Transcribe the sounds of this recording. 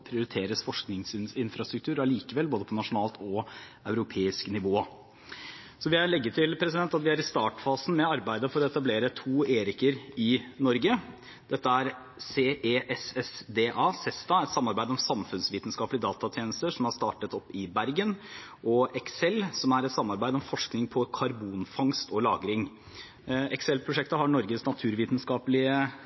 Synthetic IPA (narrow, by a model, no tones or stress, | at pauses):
pʰɾɪʊɾɪt̪ʰeːɾəsfɔʂknɪŋsɪnɪnfɾɑst̪ɾʉk̚t̪ʰʉːɾɑliːkəʋɛlːboːd̪əpʰɔnɑʂʊnɑːlt̪ʰɔɑʉɾʊpʰeːɪsknɪʋoː | sɔʋɪæɾɭɛɡːət̪ʰɪlpʰɾɛsɪd̪ɛnt̪ɑt̪ʋɪæɾɪst̪ɑːʈfɑːsn̩mɛɑɾbæɪd̪əfɔɾɔɛt̪ɑbleːɾət̪ʰuːeːɾɪkəɾɪnɔɾɡə | d̪̥ɛt̪ːəæɾ | seːʔeːʔɛsɛsd̪eːʔɑːsɛst̪ɑɛt̪sɑmːɑɾbæɪd̪əɔmsɑmfʉnsʋiːt̪n̩skɑːplɪd̪ɑːt̪ɑt̪ʰjeːnəst̪əʂɔmhɑʂt̪ɑːʈət̪ɔpːɪbæɾɡən | ʔɔʔɛksɛlːsɔmæɾɛt̪sɑmːɑɾbæɪd̪əɔmfɔʂknɪŋpʰɔkʰɑɾbuːnfɑŋst̪ɔlɑ̰ːɡɾɪŋ | ɛksɛlpʰɾʊʂɛkt̪əɦɑɳɔɾɡəsnɑt̪ʰʉːɾʋiːt̪nskɑːpəlɪə